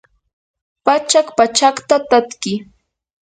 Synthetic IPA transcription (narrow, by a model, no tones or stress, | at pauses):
pat͡ʃakpat͡ʃakt̪at̪at̪kɪ